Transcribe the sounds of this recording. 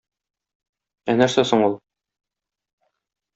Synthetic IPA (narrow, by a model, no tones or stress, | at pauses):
ænæɾsæsoɴulˠ